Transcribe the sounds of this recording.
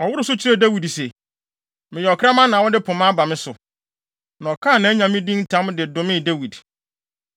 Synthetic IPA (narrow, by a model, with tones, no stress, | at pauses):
ɔ˨wʊ˦ɾʊ˦sʊ˦t͡ɕʰi˦ɾe˦˨dæ˦wi˨dse˨ | mɪ̃˨jɛ˨ɔ˨kʰɾa˦mã˦nã˨wɔ˦dɪ˦pʰʊ̃˨mã˦ba˨mɪ̃˦sʊ˨ | nã˨ɔ˨kʰã˦˨nã˨æ˦ɲã˨mɪ̃˦dĩ˦n̩˦tʰã˨˦m˦dɪ˨dʊ̃˨mɪ̃˦˨de˦wi˨d